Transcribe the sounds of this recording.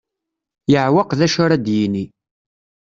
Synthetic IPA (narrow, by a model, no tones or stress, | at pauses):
jəʕwɑqðæʃʊɾad̪jini